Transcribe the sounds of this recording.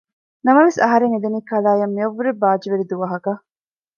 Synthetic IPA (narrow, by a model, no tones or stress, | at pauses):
nɐmɐʋesɐɦɐɾeŋed̪eniːkɐlaːjɐmːiɐʋːuɾebaːd͡ʒiʋeɾid̪uʋɐɦɐkɐ